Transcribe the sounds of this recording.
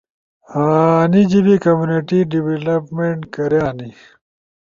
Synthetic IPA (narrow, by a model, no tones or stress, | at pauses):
aːnid͡ʑibikɐmjuniʈiɖiwelɐpmeɳʈkɐɾjaːni